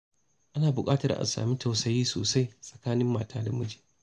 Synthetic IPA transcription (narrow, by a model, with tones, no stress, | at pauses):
ʔa˦naː˨bʊ˨kʼaː˦tɐ˨rʔa̰˨nsa̰ː˨mi˦ta˨wsɐ˦jiː˦so̰ː˨sa˦jsʼɐ̥˨kaː˦nɪ˦mːaː˨tʰaː˦da˨mʊ˦d͡ʒi̥ː˨